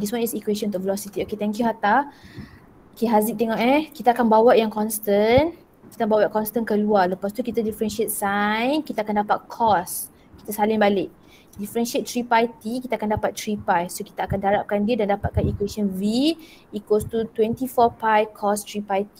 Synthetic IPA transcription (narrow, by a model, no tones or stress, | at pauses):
diswanisikwesɔ̃nt̪uʔ̚vəlɔsit̪ioket̪ɛ̃ŋkjuɦat̪a | okeɦaziʔ̚t̪eŋɔʔɛkit̪aːkanbawaʔjaŋkɔnst̪ən | kit̪abawaʔkɔnst̪ənkəlualəpast̪ukit̪adifəɾɛnʃet̪̚sajnkit̪aːkandapat̪̚kʰɔs | ki̥t̪asalɪŋbalɪʔ̚ | difəɾɛnʃiet̪̚t̪ːɾipajt̪ikit̪akandapat̪̚ːɾipajsoki̥t̪aːkandaɾap̚kandiədandapat̪̚kanikwesiɔnvi | ikost̪ut̪wɛnt̪ifɔpajkʰɔst̪ɾipajt̪i